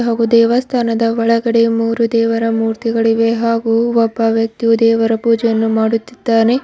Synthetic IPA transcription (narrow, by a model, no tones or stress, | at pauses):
ɦaːɡud̪ɛːʋɐst̪ʰaːnɐd̪ɐʋɔɭɐɡɐɽemuːɾud̪ɛːʋɐɾɐmuːɾt̪iɡɐɭiʋe̞ɦaːɡuɔbːɐʋjɐk̚t̪iud̪ɛːʋɐɾɐpuːd͡ʒɛjɐnːumaːɽut̪ːid̪̥ːaːne